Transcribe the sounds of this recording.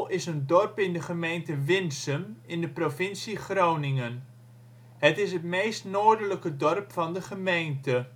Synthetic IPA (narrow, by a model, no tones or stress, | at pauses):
ɪsəndɔrpɪndəχəmejntəʋɪnsəmɪndəprofɪnsiχrownɪŋən | hətɪs̬ətmejstnoːɹdələkədɔrpfɑndəχəmejntə